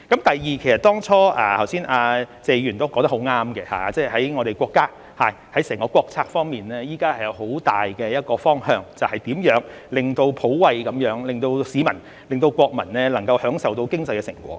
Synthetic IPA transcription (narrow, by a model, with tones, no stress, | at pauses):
kɐ˨˥mt̪ɐ˨jjiː˨kʰe˨˩sɐ˨t̪ɔː˥ŋt͡sʰɔː˥ʔaː˨˧t̪ʰɐ˨˩wsiː˥nʔaː˧t͡sɛː˨˧jyː˨˩nt̪o˥wkɔː˨˥ŋt̪ɐ˥kho˨˥wŋaː˥mɡɛ˧ha̰˨˧t͡sɛː˥hɐ˨˥jŋɔː˨˧ɾe˨jkʷwʷɔː˧kːaː˥ | haː˨jhɐ˨˥jsɛː˨˩ŋkɔː˧kʷɔː˧k̚t͡sʰaː˧k̚fɔː˥ŋmiː˨nlɛː˥jiː˥kaː˥hɐ˨jɐ˨˧who˨˥wt̪aː˨˩jkɛ˧jɐ˥t̚kɔː˧fɔː˥ŋhœː˧ŋt͡sɐ˨whɐ˨jt̪iː˨˥mjœː˨˥ŋ | lɪ˨ŋt̪o˧wpʰo˨˥wwɐ˨jkɐ˨˥mjœː˨˥ŋlɪ˨˩ŋt̪o˧wsiː˨˥mɐ˨˩n | lɪ˨ŋt̪o˧wkʷɔː˧k̚mɐ˨˩nnɛː˥lɐ˨˩ŋkɐ˧whœː˨˥ŋsɐ˨wt̪o˧wkɪ˥ŋt͡sɐ˨jkɛ˧sɪ̰˨˩ŋkʷɔ̰ː˧˥